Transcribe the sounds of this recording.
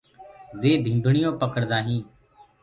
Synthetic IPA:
ʋeːb̪ʱĩːmbʱɳɪjõːpəkəɽd̪aːɦĩː

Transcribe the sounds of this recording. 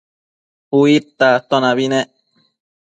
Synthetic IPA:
uit̪ːat̪onaβine

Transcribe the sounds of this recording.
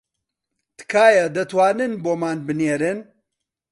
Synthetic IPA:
t̪kʰaːjɐd̪ɐt̪waːnɨnboːmaːnbɨneːɾɨn

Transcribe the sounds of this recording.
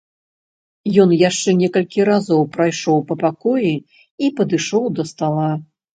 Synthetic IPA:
jɔnjaʂt͡ʂɛnʲɛkɐlʲkʲiɾazɔwpɾajʂɔwpɐpakɔji | ipɐd̪ɨʂɔwd̪ɐst̪alˠa

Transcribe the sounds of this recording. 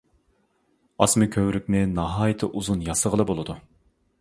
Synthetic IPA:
ɑsmɨkʲʰøwɾykʲnɪnɑɦɑːjit̪ʰɨʔuzunjɑsəʁəlˠɨbolˠɨd̪u

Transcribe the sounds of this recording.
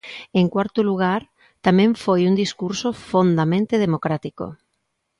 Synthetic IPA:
eŋkwaɾt̪ʊluɣaɾ | t̪amẽɱfojund̪iskuɾsofond̪amẽnt̪eð̞emokɾat̪iko̰

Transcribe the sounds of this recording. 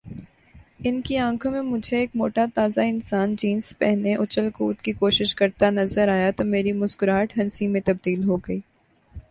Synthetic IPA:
ɪnkiãːkʰõmẽmʊd͡ʒʱeːk̚mo̰ːʈat̪aːzaɪnsaːnd͡ʒiːnspɛɦneʔʊt͡ʃəlkuːt̪kikoːʃɪʃkɐɾt̪anɐzəɾaːjat̪omeːɾimʊskʊɾaːʈɦɐnsimẽt̪ɐb̚d̪iːlɦoːɡɐiː

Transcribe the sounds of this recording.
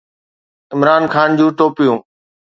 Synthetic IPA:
ɪmɾaːnxaːnd͡ʑũːʈoːpijũː

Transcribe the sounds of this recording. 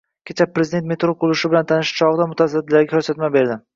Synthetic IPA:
kʲʰet͡ʃʰapːɾezɪd̪e̞nt̪me̞t̪ɾoqʊlˠʊʃɪbɪlant̪ʰanɪʃt͡ʃʰɒʁɨd̪amʊt̪ʰazad̪ːɪlaɾɡʲakʰɵɾsat̪mabe̞ɾd̪ɪ

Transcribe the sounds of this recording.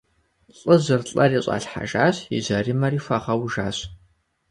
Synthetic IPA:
ɬʼɨzɨrɬʼɐriːɕʼa̰ːɬħa̰ʒaːɕɪ̰zɐrimɐriːfʷɐʁɐwʒa̰ːɕ

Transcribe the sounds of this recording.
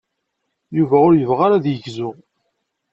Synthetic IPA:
juvæʊɾjəvʁaɾaðjəɡzʊ

